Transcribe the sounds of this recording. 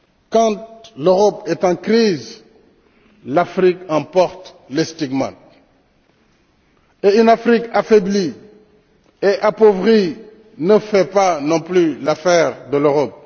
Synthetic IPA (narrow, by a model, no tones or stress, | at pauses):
kɑ̃t̪̚løʁɔpɛt̪ɑ̃kɾiːz | lafɾikɑ̃pɔʁt̪ | lest̪iɡmɑ̰̃t̪ | eynafɾikafebli | eʔapovʁi | nəfɛpanɔ̃plylafɛːʁd̪əløʁɔp̚